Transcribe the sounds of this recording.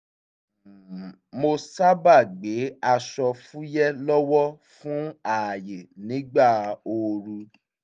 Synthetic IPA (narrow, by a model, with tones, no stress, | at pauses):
mo˧sa˦ba˦˨ɡ͡be˨˦a˧ʃɔ˧fũ˦jɛ˦lɔ˦wɔ˦ | fũ˦a˦˨je˨nĩ˨˦ɡ͡ba˦˨o˧ɾu˧